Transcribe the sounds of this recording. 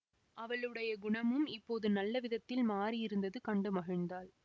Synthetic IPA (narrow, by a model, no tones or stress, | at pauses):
ʔɐʋɐɭɯɽɐjɐɡʊɳɐmɯmɪpːoːðɯnɐlːɐʋɪðɐt̪ːɪlmaːrijɪɾɯnd̪ɐðɯkɐɳɖɯmɐɣɐɻnd̪aːɭ